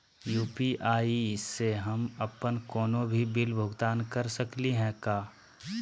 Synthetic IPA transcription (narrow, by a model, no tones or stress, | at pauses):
juːpiʔaːiɪsːeɦɐmɐpənkɔːnõbʱibɪlbʱʊɡt̪aːnkɐɾsəkliɦɛ̃kaː